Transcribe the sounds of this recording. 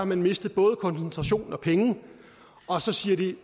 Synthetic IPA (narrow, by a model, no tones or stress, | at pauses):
ɑmænme̝sd̥ð̞̩ˠb̥ɔ̽ːð̞ˠəkʰɒ̽nsent͡sʰʁɑ̈ɕo̝̰ːn̩ɒ̽pʰeŋə | ɒ̽sɒ̽siːɐd̥i